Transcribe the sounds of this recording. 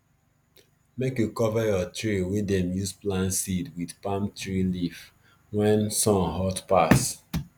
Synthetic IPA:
mekjukɔvajɔtɹiwedɛ̃mjusplãnsidwidpãmtɹilif | wɛ̃nsɔ̃nɦɔtpas

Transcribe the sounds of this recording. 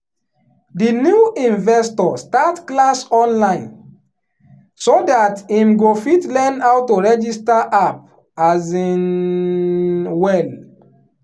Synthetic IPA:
dinjuĩnvɛstɔstatklasɔ̃nlãɪ̃n | sodatimɡofitlɛnawtːoɹɛd͡ʒistaʔap̚ | azin | wɛl

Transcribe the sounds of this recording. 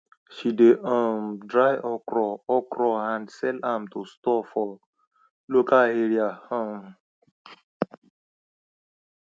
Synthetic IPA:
ʃideʔãmdɾajʔɔkɾɔɔkɾɔãndsɛlãmtostɔfɔ | lokaleɾiahãm

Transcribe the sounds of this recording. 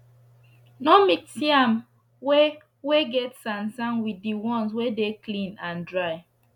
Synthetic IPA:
nɔmiksiam | we | weɡɛtsãnsãnwidiwɔ̃nswedeklĩnãndɹaɪ

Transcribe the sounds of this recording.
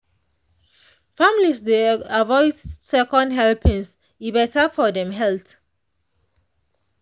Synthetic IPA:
famlisdeavɔɪdsɛkɔ̃ndɦɛlpĩŋs | ibɛtafɔdɛ̃mɦɛlθ

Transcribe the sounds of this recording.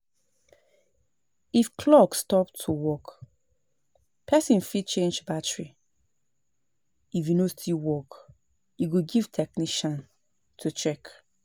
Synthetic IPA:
ifkʰlɔkstɔp̚tʰuwɔk | pʰɛsĩnfidt͡ʃẽnd͡ʒbatɹi | ifjunostʰilwɔk | iɡuɡiv̥tʰɛkniʃãn | tʰut͡ʃɛk

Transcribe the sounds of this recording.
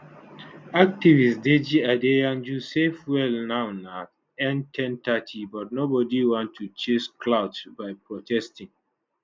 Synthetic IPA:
ak̚tivisded͡ʒiadejãnd͡ʒusefwɛlnãʊna | ɛ̃ntʰɛ̃ntatʰibɔt̚nobɔdiwɔ̃ntʰːut͡ʃesklaʊdsbaɪpɹɔtʰɛstĩŋ

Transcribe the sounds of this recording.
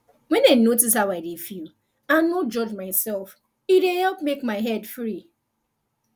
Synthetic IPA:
wɛ̃nanotishaʊwaɪdefilˠ | ãnod͡ʒɔd͡ʒmaɪsɛlf | iɾehɛlˠpmekmaɪɦɛdfɾi

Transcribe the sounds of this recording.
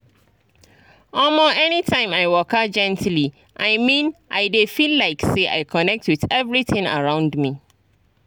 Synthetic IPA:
ɔlmoʔɛnitʰãɪ̃maɪwɔkad͡ʒɛ̃ntli | ʔaɪmĩnʔaɪdefillaɪkseʔa̰ɪkʰɔnɛk̚twɪðɛvɹiθɪ̃ŋə̰ɹãʊ̃ndmi

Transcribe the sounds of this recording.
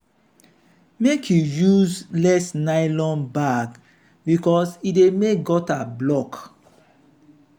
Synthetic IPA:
mekʰjujuzlɛsnaɪlɔ̃nbaɡ | bikɔsidemek̚ɡɔtablɔk

